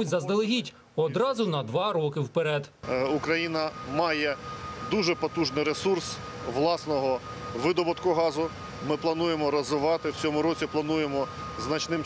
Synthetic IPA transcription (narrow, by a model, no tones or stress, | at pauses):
ʊtʲzɐzd̪elˠɪɦʲitʲ | ɔd̪ɾɑzʊnɐd̪ʋɑɾɔkɪwpeɾɛd̪ʊkɾɐjinɐmɑjɛd̪uʒɛpɔt̪uʒnɪjɾesurs | ʋlˠɑsnɔɦɔ | ʋɪd̪ɔbʊt̪kʊɦɑzʊ | mɪplˠɐnujemɔɾɐzɪʋɑt̪ɪwt͡sʲɔmʊɾɔt͡sʲiplˠɐnujemɔ | znɐt͡ʃnɪm